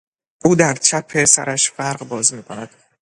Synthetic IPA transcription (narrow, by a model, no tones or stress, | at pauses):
ʔuːd̪æɾt͡ʃʰæpʰːe̞sæ̰ɾæʃfæɾɢbɒːzmiːkʰo̞næd̪̥